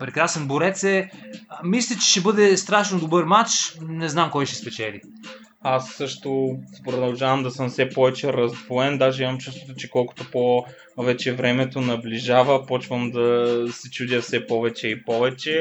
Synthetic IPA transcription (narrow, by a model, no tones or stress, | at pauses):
pɾɛkɾasɛnboɾɛt̪sɛ | mislʲit͡ʃɛ̥ʃɛbɤd̪ɛst̪ɾaʃnod̪obɤɾmat͡ʃnɛznamkɔjʃɛspɛt͡ʃɛlḭ | asːɤʃt̪opɾod̪ɐlˠʒavəmd̪ɐsɤmfsɛpɔvɛt͡ʃɛɾɐzd̪voɛnd̪aʒɛimɐmt͡ʃust̪vot̪ot͡ʃɛkɔlˠkʊ̥t̪opɔ | vɛt͡ʃɛvɾɛmɛt̪onɐbliʒavəpɔt͡ʃvəmd̪ɐsɛt͡ʃud̪ʲjəfsɛpɔvɛt͡ʃɛipɔvɛt͡ʃɛ